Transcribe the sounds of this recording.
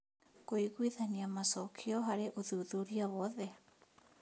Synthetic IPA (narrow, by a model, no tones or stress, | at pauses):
koiɣwiðaɲiamasokʰioɦaɾeʔoðuðuɾiaβoðe